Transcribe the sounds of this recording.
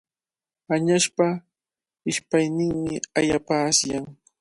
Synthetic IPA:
aɲaʃpa | ɪʃpajnɪŋmɪa̰japasjaŋ

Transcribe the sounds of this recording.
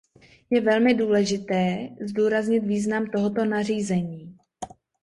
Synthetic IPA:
jɛvɛlmɪduːlɛʒɪt̪ɛːzduːɾazɲɪt̪viːznamt̪o̞ɦot̪o̞nariːzɛɲiː

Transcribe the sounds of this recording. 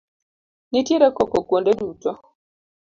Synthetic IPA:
nitiɾɛkɔkɔkwondɛduːtɔ

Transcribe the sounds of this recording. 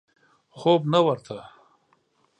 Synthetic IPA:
xoːbnawɐɾt̪ʰa

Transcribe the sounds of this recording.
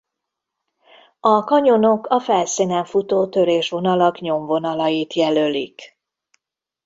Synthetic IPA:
ɒkɒɲo̞no̞kɒfɛlsinɛɱfut̪oːt̪ø̞ɾeːʃʋo̞nɒlɒkɲo̞mvo̞nɒlɒjit̪jɛlølik

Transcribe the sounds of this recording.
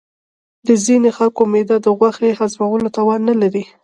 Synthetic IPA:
d̪əzinexalkomed̪ad̪əɣwaxehazmawəlot̪ɑwɑnːalaɾi

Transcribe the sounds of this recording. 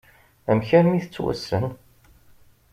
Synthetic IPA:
æmçæɾmiθət͡sːwæ̰sən

